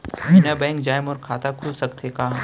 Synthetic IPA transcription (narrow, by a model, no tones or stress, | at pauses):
minabɛ̃ːŋkd͡ʒaːjmɔːɾkʰaːt̪akʰulsɐkt̪ʰekaː